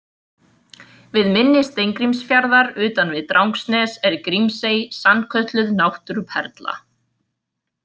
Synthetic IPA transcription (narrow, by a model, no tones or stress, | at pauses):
vɪðmɪnːɪst̪ejŋkɾimsfjaɾðaɾʏːt̪anvɪðt̪ɾʔawŋksnɛsɛɾkɾimseːjsanːkʰœt̪lʏðnawht̪ʏɾpʰɛɾt̪la̰